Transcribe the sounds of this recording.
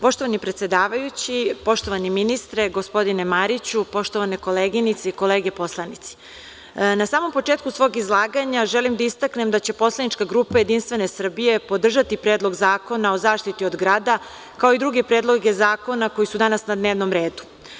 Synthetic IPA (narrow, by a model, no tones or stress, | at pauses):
po̞ʃt̪o̞ʋanipɾet̪se̞d̪aːʋajut͡ɕipo̞ʃt̪o̞ʋaniminist̪ɾeɡo̞spo̞d̪ine̞maɾit͡ɕupo̞ʃt̪oʋaneko̞leːɡinit̪seiko̞leːɡepo̞slˠanit̪si̥ | nasaːmo̞mpo̞t͡ʂeːt̪kusʋo̞ːɡizlˠaːɡaɲaʒelimd̪aist̪akne̞md̪at͡ɕe̞po̞slˠanit͡ʃkaɡɾuːpaje̞d̪inst̪ʋe̞ne̞sr̩bije̞po̞d̪r̩ʒat̪ipɾe̞ːd̪lˠo̞ɡzaːko̞nao̞zaːʃt̪it̪io̞d̪ɡɾaːd̪a | kao̞id̪ɾuɡe̞pɾed̪lˠo̞ɡe̞zaːko̞nako̞jisud̪anasnad̪neːʋnomɾe̞ːd̪u̥